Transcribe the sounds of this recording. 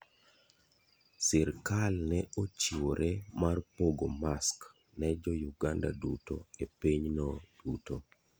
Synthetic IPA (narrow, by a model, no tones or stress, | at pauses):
sɪɾkalnɛot͡ʃiwoɾʔemarpoɡomask | nɛd͡ʒɔjuɡanda̰duto̰epiɲnɔd̥uto